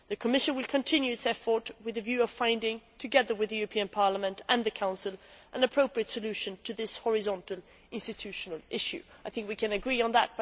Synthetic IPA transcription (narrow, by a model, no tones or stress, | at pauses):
ðɨkʰəmɪʃɨ̃nwɨlˠkʰɨ̃ntʰɪ̃njʉɨtsɛfə˞t̚wɨðɨvjʉʌv̥fãɪ̃ndɪ̃ŋtʰɨɡɛðə˞wɨðɨjʉɹəpʰĩɨ̃npʰɑɹləmɨ̃ntɨ̃nðɨkʰãʊ̃nsɨl̩ˠʔə̃nɨpʰɹ̥oʊpɹiɨtsɨlʉʃɨ̃ntʰɨðɪshɔɹɨzɑ̃ntˡl̩ˠ | ʔɪ̃nstɨtʰʉʃnəl̩ˠʔɪʃʉ̰aɪθɪ̃ŋkwikʰɨ̃nɨɡɹiə̃nðət̚